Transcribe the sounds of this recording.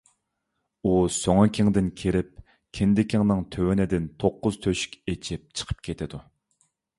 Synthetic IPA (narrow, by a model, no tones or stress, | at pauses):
usøŋɑkʲʰɪŋd̪ɪnkʲʰeɾɪp̚ | kʲʰɪnd̪ɪkʲʰiŋnɨŋt̪ʰøwɪnɪd̪ɪnt̪ʰoqːʊz̥t̪ʰøʃy̥kʲet͡ʃʰɪp̚t͡ʃʰə̥qʰə̥p̚kʲʰet̪ʰɪd̪u